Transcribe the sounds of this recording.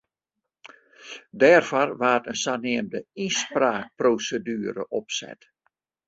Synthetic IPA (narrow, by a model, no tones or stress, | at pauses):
dɛːrfɔrʋaːtənsanɪəmdəispraːk̚proːsədyːɾə̰ʔɔpsɛ̰t